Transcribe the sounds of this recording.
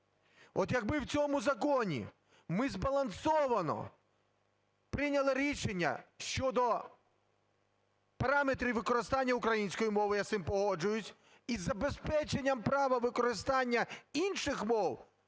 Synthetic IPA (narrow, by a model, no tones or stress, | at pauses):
ɔt̪jɐɡ̚bɪwt͡sʲɔmʊzɐkɔnʲḭ | mɪzbɐlˠɐnsɔʋɐnɔ̰ | pɾɪnʲɐlˠɪɾʲiʃenʲːɐ̰ʃt͡ʃɔd̪ɔ | pɐɾɑmet̪ɾʲiwʋɪkɔɾɪst̪ɑnʲːɐʊkɾɐjinʲsʲkɔjimɔʋɪjasɪmpɔɦɔd͡ʒʊjʊsʲ | izːɐbespɛt͡ʃenʲːɐmpɾɑʋɐʋɪkɔɾɪst̪ɑnʲːɐinʃɪxmɔw